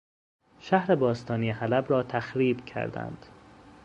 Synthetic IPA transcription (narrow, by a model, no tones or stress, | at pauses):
ʃæhɾebɒːst̪ɒːniːehælæbɾɒːt̪ʰæxɾiːbcʰæ̰ɾd̪æ̰nd̪̥